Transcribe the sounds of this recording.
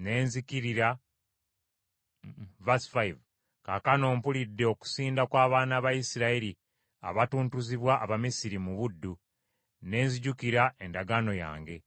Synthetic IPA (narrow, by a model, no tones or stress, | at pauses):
ne̞ːnzikiɾiɾa | vasi̥faiv | kakano̞ːmpulidːe̞o̞ku̥siːndakwaːβaːnaβajisiɾaiɾi | a̰βatuːntuziβwaʔːβamisiɾimuβudːu | ne̞ːnziɟukiɾae̞ndaɡano̞ja̰ːŋɡe̞